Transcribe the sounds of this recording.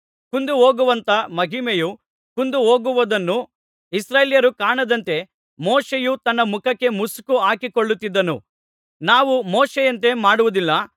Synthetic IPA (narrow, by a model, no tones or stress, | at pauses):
kund̪uɦoːɡuʋɐnt̪ɐmɐɦimeju | kund̪uɦoːɡuʋɐd̪ɐnːu | isɾeːljɐɾukaːɳɐd̪ɐnt̪e̞ | moːʂejut̪ɐnːɐmukɐkːe̞muskuaːkikoɭːut̪ːid̪ːɐnṵ | naːʋumoːʂejɐnt̪̬e̞maːɽuʋud̪ilːɐ